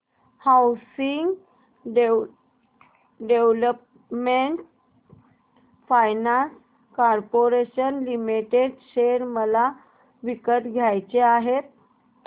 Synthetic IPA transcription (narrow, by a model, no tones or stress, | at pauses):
hawsiŋɡ | ɖe | ɖeʋləp | meɳʈ | fajnans | kaɾpoɾeɕənlimiʈeɖɕeɾməla | ʋikət̪ɡʱjajt͡ɕeaɦet̪̚